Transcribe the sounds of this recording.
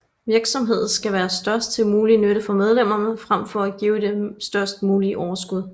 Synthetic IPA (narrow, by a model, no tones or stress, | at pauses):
ʋiɐɡ̥sɒ̽mɦe̝ð̞̰̩ˠsɡ̥æʋæːɐsd̥ɶɐsd̥̚t͡sʰe̝lmuːlinøɾ̥əfɒmeð̞ˠlem̰ɐnəfʁam̰fɒ̽æɡ̥iːʊd̥e̝sd̥ɶɐsd̥muːliʔɒʊɐsɡ̥uð̞ˠ